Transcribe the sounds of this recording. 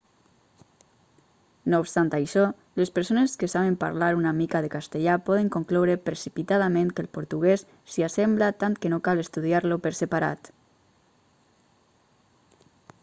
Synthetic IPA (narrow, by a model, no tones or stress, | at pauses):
nopst̪ant̪ajʃɔ | lespəɾsoneskəsaβempa̰ɾlaɾunamikaðekast̪eʎapɔðəŋkoŋklɔwɾəpɾesipit̪aðamẽnkəlˠpoɾt̪uɣesːiasɛmblat̪ant̪kənokalest̪uð̞iaɾlopəɾsepaɾa̰t̪